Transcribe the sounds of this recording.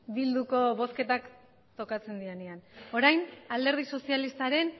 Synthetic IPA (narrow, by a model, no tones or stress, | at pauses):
bild̪uko̞βo̞ske̞t̪ak | t̪o̞kat͡se̞nd̪ieneano̞ɾajnald̪e̞ɾð̞iso̞sialist̪aɾe̞n